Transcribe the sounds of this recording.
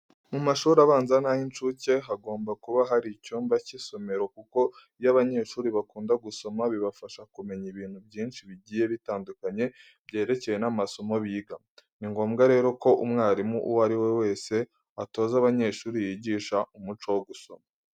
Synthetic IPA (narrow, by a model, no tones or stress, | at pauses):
mumaʃuːɾaβaːnzanajint͡ʃuce̞ɦaɡo̞ːmbakuβaɦaɾicuːmbaciso̞me̞ɾo̞kuko̞ | jaβaɲe̞ːʃuːɾiβakuːndaɡuso̞maβiβafaʃakume̞ɲiβiːn̥hubɟiːnʃiβiɟiːje̞βitaːndukaɲe̞ | bɟe̞ːɾe̞ce̞je̞namaso̞mo̞βiːɡa | niŋɡo̞ːmɡaɾe̞ːɾo̞ko̞ʔumŋaːɾimuʔuwaɾiwe̞we̞ːse̞ | ato̞ːzaβaɲe̞ʃuːɾijiːɟiːʃaumut͡ʃowoɡuso̞̰ma